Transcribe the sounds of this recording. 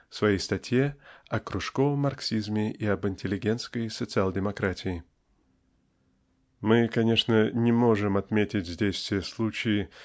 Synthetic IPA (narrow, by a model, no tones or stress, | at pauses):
svɐjejst̪ɐtʲje̞ɐkɾʊʂko̞vəmːɐrksʲizmʲɪʔiɐbɪnʲtʲɪlʲɪɡʲe̞nt̪skəjsət̪sɨalˠdʲɪmɐkɾatʲʰɪɪ | mɨkɐnʲe̞ʂnənʲɪmo̞ʐɨmɐt̪mʲetʲɪtʲzʲdʲejsʲst̪ʲvʲɪjəslˠut͡ɕɪjɪ